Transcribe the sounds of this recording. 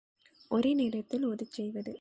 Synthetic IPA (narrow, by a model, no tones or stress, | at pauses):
ʔɔɾɯneːɾɐt̪ːɪlɔðɯt͡ʃːɛjʋɐðɯ